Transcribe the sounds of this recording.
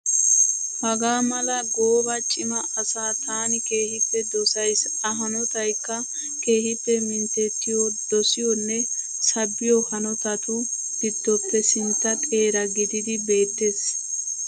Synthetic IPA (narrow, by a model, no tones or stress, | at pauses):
hɐɡaːmɐlɐɡoːbɐt͡ʃʼɪmɐ | ɐsaːt̪ʰaːnɪke̞ːhɪpːɛd̪ɔsɐjs | ɐɦɐnɔt̪ɐjkːɐ | ke̞ːhɪpːɛmɪnt̪ɛt̪ːɪjɔd̪̥ɔsɪjɔnːɛ | sɐbːɪjɔhɐnɔt̪ɐt̪ʊ | d̪̥ɪd̪ːɔpːɛsɪnt̪ːɐt̪ʼe̞ːɾɐɡɪd̪ɪd̪ɪbe̞ːt̪ːeːs